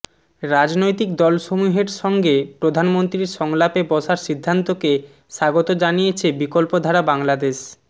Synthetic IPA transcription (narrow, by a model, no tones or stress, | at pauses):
ɾad͡ʑnojt̪ikd̪ɔlʃomuɦeɾʃɔŋɡepɾod̪ʱanmont̪ɾiɾʃɔŋlapebɔʃaɾʃid̪ʱːant̪oke | ʃaɡot̪od͡ʑanijet͡ɕʰebikolpod̪ʱaɾabaŋlad̪eʃ